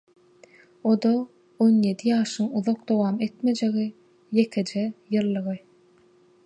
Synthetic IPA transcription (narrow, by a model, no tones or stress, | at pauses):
od̪o | onje̞d̪ijɑːʃɯŋuðoq̚d̪o̞wɑːme̞t̪me̞d͡ʒe̞ɣi | je̞kʰe̞d͡ʒejɯlˠːɯʁɯ